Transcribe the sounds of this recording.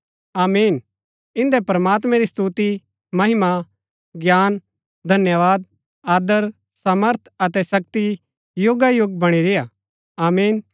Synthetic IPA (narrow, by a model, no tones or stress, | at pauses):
aːmiːn | ɪ̃nd̪ɛpɐɾɐmaːt̪̬mɛ̃ɾist̪uːt̪i | mɐɦɪma | ɡjaːn | d̪ʱɐnjəʋaːd̪̚ | aːd̪əɾ | saməɾt̪ʰɐt̪ɛsɐk̚t̪i | joːɡajʊɡbɐɽ̃iɾeja | aːmiːn